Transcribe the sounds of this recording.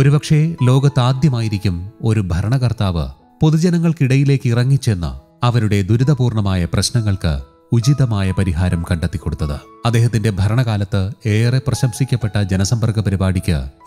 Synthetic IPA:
o̞ɾupɐkʂe̞lo̞ːɡɐt̪ːaːd̪jɐmaːjiɾikʲːumo̞ɾubʱɐɾɐɳɐkɐrt̪aːʋɨ̰ | po̞ðud͡ʑɐnɐŋːɐɭkiɽɐjile̞ːkːirɐŋːit͡ɕːe̞nːɐ̰ | ɐʋɐɾuɽe̞d̪uɾuðɐpuːrɳɐmaːjɐprɐɕnɐŋːɐɭkɨ̰ | ud͡ʑiðɐmaːjɐpɐɾiɦaːɾɐmkɐɳɖet̪ːikːo̞ɽut̪ːɐðɨ̰ɐd̪ːe̞ːɦɐt̪ːinde̞bʱɐɾɐɳɐɣaːlɐt̪ːɨe̞ːreprɐɕɐmsikʲːɐpːe̞ʈːɐd͡ʑenɐsɐmbɐrɡɐpɐɾibaːɽʱikʲːɨ̰

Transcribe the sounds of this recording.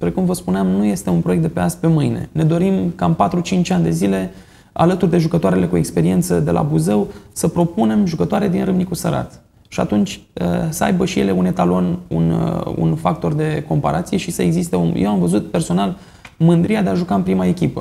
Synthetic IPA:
pɾe̞kumvəspuneamnuje̞st̪e̞unpɾoekt̪d̪epeaspe̞mɨjne̞̰ne̞d̪o̞ɾimkaɨmpat̪ɾut͡ʃint͡ʃʲanʲd̪e̞zile̞ | a̰lət̪urd̪e̞ʒukət̪oaɾe̞le̞kue̞kspe̞ɾie̞nt̪səd̪e̞lʔa̰buze̞wsəpɾo̞pune̞mʒukət̪oaɾed̪inɾɨmnikusəɾa̰t̪ | ʃia̰t̪unt͡ʃʲə̰səa̰jbəʃije̞le̞une̞t̪alo̞nṵnṵnfak̚t̪o̞rd̪e̞ko̞mpa̰ɾʔat̪sije̞ʃisəe̞ɡzist̪eṵjewamvəzut̪̚pe̞rso̞nal | mɨnd̪ɾiad̪eaʒukaɨnpɾimae̞kʲipə̰

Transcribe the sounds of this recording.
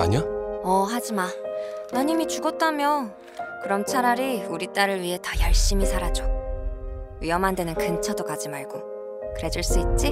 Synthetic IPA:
a̰ɲaʌɦad͡ʑimanaɲimit͡ɕuɡʌt̚t͈amjʌ | kɯɾʌmt͡ɕʰaɾaɾiuɾit͈aɾɯɭɥiɦe̞tʌjʌɭɕ͈imisʰaɾad͡ʑo | ɥiʌmɦande̞nɯnkɯnt͡ɕʰʌdokad͡ʑimaɭɡo | kɯɾe̞d͡ʑɯɭs͈uit̚t͡ɕ͈i

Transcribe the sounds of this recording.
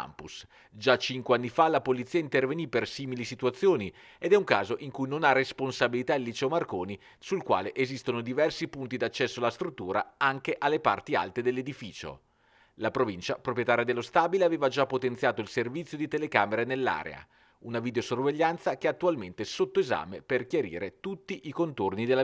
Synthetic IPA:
a̰mpus | d͡ʒat͡ʃiŋkweanːifalapolit̪sːiːaint̪ervenipersiːmilisit̪uat̪sːjoːni | ed̪ɛuŋka̰ːzoʔiŋkujnonaresponsabilit̪ailːit͡ʃɛomarkoːni | sulkwa̰ːleʔezist̪onod̪ivɛrsipunt̪id̪at͡ʃːɛsːoalːast̪ɾut̪ːuːɾa̰aŋk̟eʔalːepa̰rt̪ia̰lt̪ed̪elːed̪ifiːt͡ʃo̰ | lapɾovint͡ʃapɾopɾjet̪aːɾjad̪elːost̪aːbileaveːvad͡ʒapːot̪enjaːt̪oilservit̪sːjod̪it̪elekaːmeɾenelːa̰ːɾḛa̰ | unavid̪eosorveʎːant̪sakeat̪ːualment̪esot̪ːoeza̰ːmeperkjaɾḭːɾet̪ut̪ːiʔikont̪ornid̪ela

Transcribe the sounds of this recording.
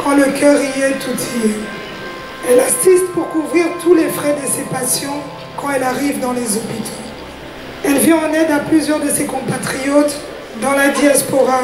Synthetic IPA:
kʰɑ̃ləkʰʲœʁiɛt̪ʰut̪ʰie | ɛlasist̪puʁkuvʁiʁt̪ulefχɛd̪əsepasjɔ̃ | kɑ̃ɛlaʁivd̪ɑ̃lezɔpit̪ʰo̥ | ɛlvjɛ̃ɑ̃nɛd̪aplyzjœʁd̪əsekɔ̃pat̪χijɔt̪ | d̪ɑ̃lad̪jaspɔʁa

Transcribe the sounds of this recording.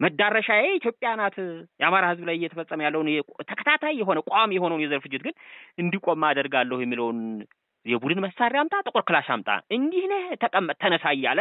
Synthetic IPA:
məd̪ːaɾəʃajɛeit̪jo̞pʼjanat̪jɛamaɾahɨzblajjɛt̪ʰəfəsʼːəməjalːəwnjɛt̪ʰəkʰə̥t̪ʰat̪ʰajːɛɦo̞nəkʼamjɛɦo̞nəwnjɛzəɾfɨd͡ʒːɪt̪ɡɨnɨnd̪ikʷʼomːad̪əɾɡalːəhujɛmːiləwn | jɛbud̪ɨnməsaɾjamt̪ʼat̪ʼɨkʼoɾkɨlaʃamt̪ʼa̰ʔɨnd̪ihnəht̪ʰəkʼəmət̪ʰːənəsajːalːə

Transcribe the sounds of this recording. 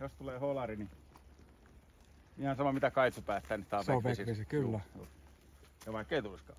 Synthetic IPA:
jost̪uleːholɑrini | ihɑnsɑmomit̪ækɑit̪supæːt̪ːˑæːnist̪ɑːʋeoʋesiʋisikylːæjṵː | jɑʋɑˑikːeit̪uiskɑ̰

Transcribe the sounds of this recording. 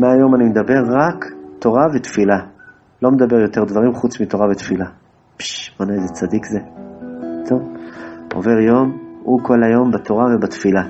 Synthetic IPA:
meajo̞manimed̪abe̞ʁːakt̪o̞ʁavet̪fila | lo̞med̪abe̞ʁjo̞t̪e̞ʁd̪vaʁimχut͡smit̪o̞ʁavet̪fila | pʃbonaezet͡sad̪ikze | t̪ovo̞̰ve̞ʁjo̞muko̞lajo̞mbat̪o̞ʁavebat̪fila

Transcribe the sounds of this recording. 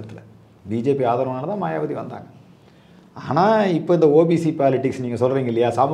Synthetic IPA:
ɐt̪ːɪlɐ | biːd͡ʒeːpiaːðaːɾɐnaːlɐt̪ãːmaːjaːbɐðiʋɐnd̪a̰ːŋɡɐ | aːnaːɪpːoːɪnd̪ɐoːbiːsipaːlɪʈːɪksniːŋɡɐsɔlːɾiːŋɡɐɪlːɐjaːsɐm

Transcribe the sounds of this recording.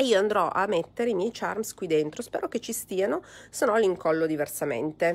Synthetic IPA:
eiːoand̪ɾɔʔa̰mːet̪ːeɾeimjɛjt͡ʃarmskwid̪ent̪ɾospɛːɾoket͡ʃːist̪iːanosenɔlːiŋkɔlːod̪iversamḛnt̪e

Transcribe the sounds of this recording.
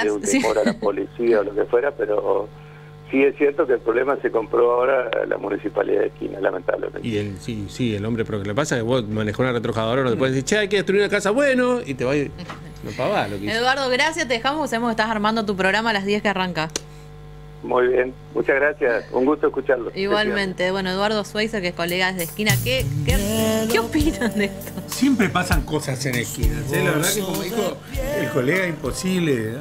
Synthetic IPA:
eunemo̰ɾalapolisiaolokefweɾapeɾo | siesjeɾt̪okelpɾoβlemaseko̞mpɾoaoɾala̰mṵnisipa̰lḭða̰ðehkḭna̰la̰ment̪a̰βlḛmḛnielsisielo̞mbɾepɾokelepasakeβomanexounaret̪ɾoxaðoɾaonot̪epweesiɾt͡ʃeajkeðet̪ɾuiɾnakasaβwenoit̪eβaj | nopaβalokeeðwaɾðoɣɾasjat̪eðexamohkes̬aβemokeht̪asaɾmãnd̪ot̪̬up̬ɾoɣɾamalaɦðjehkearaŋka | mṵjβjen | mut͡ʃaɣɾasjasṵŋɡust̪oeskut͡ʃaɾloiɣwalmẽ̞nt̪e̞βwe̞noeðwaɾð̞oswejs̬ekeesko̞leɣaðeðehkinakekekeopinand̪est̪osjempɾepasaŋkosasenehkina̰selaβeɾðakeomoixo | elkoleɣaimposiβle

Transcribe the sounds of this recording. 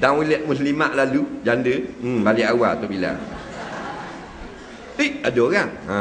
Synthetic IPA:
daŋwuliʔmuslimaʔlalud͡ʒandəbaliʔawat̪oʔbila̰ | əʔadokanã

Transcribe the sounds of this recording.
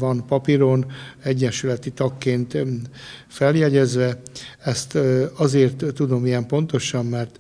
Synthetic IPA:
vɒnpɒpiɾo̞nɛɟːɛnʃylɛt̪it̪ɒkːeːnt̪ | fɛljɛɟɛzʋɛɛst̪ɒzeːrt̪ːud̪o̞mijɛmpo̞nt̪o̞ʃɒmːɛrt̪

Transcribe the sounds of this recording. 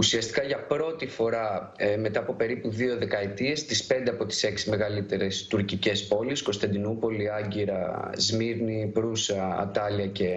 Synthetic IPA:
usiɐst̪i̥kɐʝɐpɾo̞t̪ifo̞ɾɐ | me̞t̪ɐːpo̞pe̞ɾipuðio̞ðe̞kɐe̞t̪ie̞st̪ispe̞nd̪e̞ɐpo̞t̪i̥se̞ksime̞ɣɐlit̪e̞ɾe̞st̪uɾcice̞spo̞lisko̞st̪ɐnd̪inupo̞liɐɲɟiɾɐzmiɾnipɾusɐ̰ːt̪ɐliɐce̞

